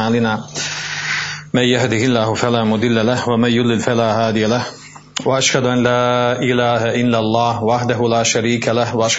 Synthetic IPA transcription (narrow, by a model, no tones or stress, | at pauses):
aːlɪnaː | manjahd̪ɪhɪlːaːhʊfalaːmʊd̪ˤɪlːalahwamanjʊd̪ˤɪlfalaːhaːd̪ɪjalah | waʔaʃhad̪ʊʔanlaːʔɪlaːhaʔɪlːalˤːɑːhwaʔaħd̪aɦʊlaːʃaɾiːkalahwaʔaʃ